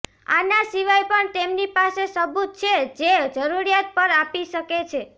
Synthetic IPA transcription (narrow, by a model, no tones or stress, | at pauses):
a̰nasiʋajpəɳt̪emnipasesəbut̪̚t͡ʃʰed͡ʒed͡ʒəɾuɾijat̪̚pəɾapiʃəket͡ʃʰe